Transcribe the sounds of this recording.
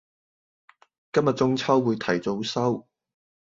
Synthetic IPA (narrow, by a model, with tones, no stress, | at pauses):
kɐ˥mjɐ˨t̚t͡sʊ˥ŋt͡sʰɐ˥wːuː˨˧jt̪ʰɐ˨˩jt͡so˨˥wsɐ˥w